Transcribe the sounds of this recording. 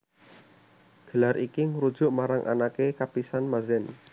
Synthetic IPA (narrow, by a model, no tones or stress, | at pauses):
ɡ̥ə̤laɾʔikiŋuɾud̥ʒ̥ʊʔmaɾaŋʔa̰nakekapisanmazɛn